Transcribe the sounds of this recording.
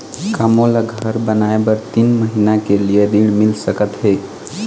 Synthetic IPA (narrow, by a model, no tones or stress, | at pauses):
kamolaɡʱəɾbənajbəɾt̪iːnməɦinakelijeɾiɽmilsəkət̪ɦe